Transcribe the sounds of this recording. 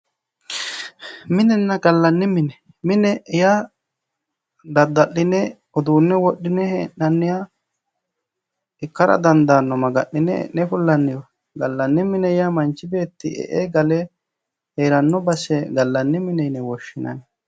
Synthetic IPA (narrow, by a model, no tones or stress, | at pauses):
mɪnɛnːɐɡɐlːɐnːɪmɪnɛ | mɪnɛja | d̪ɐd̪ːɐʔːɪnɛ | ɔd̪uːnːɛwɔɗːɪnɛhenːɐnːɪja | ɪkːɐɾɐ̰d̪ɐnd̪aːnːɔmɐɡɐʔːɪnɛ̰ʔnɛfʊlːɐnːɪjɔ | ɡɐlːɐnːɪmɪnɛjɐmɐnt͡ʃːɪbe̞ːt̪ːɪɛ̰ʔeɡɐlɛ | heːɾɐnːɔbɐsɛɡɐlːɐnːɪmɪnɛjnɛwɔʃːɪnɐ̰n